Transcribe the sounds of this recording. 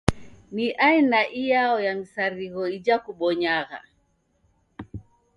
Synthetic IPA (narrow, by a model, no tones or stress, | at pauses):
niʔainaʔijaɔjamisaɾiɣɔid͡ʒakuɓɔɲaɣa̰